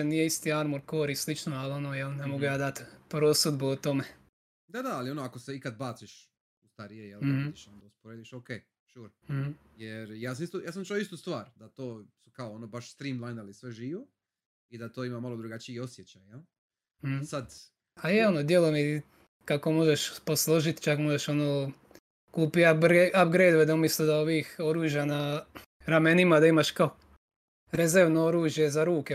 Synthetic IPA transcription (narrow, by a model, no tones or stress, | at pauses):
enijeist̪iaɾmuɾkoɾislit͡ʃnoalio̞nojelnemoɡujaːd̪at̪pɾosud̪buut̪ome | d̪ad̪aalionoakoseikad̪̚baːt̪siʃ | ust̪aɾijejel̩id̪iʃonod̪auspoɾeːd̪iʃokeː | t͡ʃuɾ̩hm̩jeɾjaːs̬amist̪ujaːsamt͡ʃoist̪uːst̪ʋaːɾd̪at̪oːsukaoonobaʃst̪ɾiːmlˠajnd̪alisʋeʒiːʋo | id̪at̪oːimamalˠod̪ɾuɡat͡ɕiiosjet͡ɕajal̩ | h̩sad̪ | ajeonod̪jelomi | kakomo̞ʒeʃposlˠoʒit̪t͡ʃakmoʒeʃonoː | kuːpiɾʔabɡɾed̪ʋed̪aumislud̪aoʋiːxoɾuːʒjana | ɾamenimad̪aimaʃkao | ɾezeɾʋnooɾuːʒje̞zaɾuːke